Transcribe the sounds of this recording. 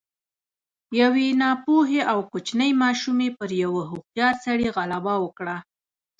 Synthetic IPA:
jawenɑpoɦeʔawkot͡ʃnəjmɑʃumepəɾjawəɦuq̚jɑɾsaɽeɣalabawəkɽa

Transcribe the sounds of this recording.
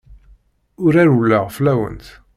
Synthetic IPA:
ʊɾæɾulːəʁflæwə̰nt̪

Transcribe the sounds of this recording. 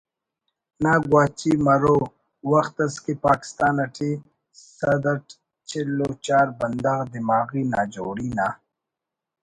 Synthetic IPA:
naːɡwaːt͡ɕiːmɐɾoː | wɐxt̪ɐskipaːki̥st̪aːnɐʈʰi | sɐd̪ɐʈ | t͡ʃʰelːoːt͡ʃaːɾbɐnd̪aɣd̪imaːɣiːnaːd͡ʑoːɾiːna

